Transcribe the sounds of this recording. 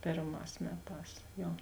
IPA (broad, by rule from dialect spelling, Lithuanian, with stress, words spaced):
ˈpʲeːrˌmɑːs ˈmʲæːˌtɑːs ˈjoː